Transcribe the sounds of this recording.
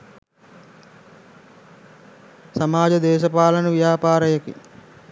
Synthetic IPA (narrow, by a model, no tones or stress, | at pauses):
samaːd͡ʒɐd̪eːʃɐpaːlɐnəʋijaːpaːɾəjəkḭ